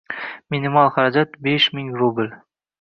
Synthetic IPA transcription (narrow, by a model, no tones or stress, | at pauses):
minimɑlˠχaɾad͡ʒat̪beʃmɪŋɾubɪl